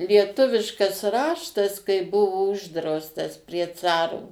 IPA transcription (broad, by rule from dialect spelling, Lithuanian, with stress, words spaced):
lʲiɛˈtʊʋʲɪʃkɐs ˈrɑːʃtɐs kɐɪ ˈbʊʋoː ˈʊʒdrɐʊstɐs pʲrʲiɛ ˈt͡sɑːroː